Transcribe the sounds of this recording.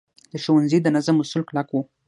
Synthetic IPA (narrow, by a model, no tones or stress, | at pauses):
d̪̥əʃuwanzid̪ənazamʊsulklakwu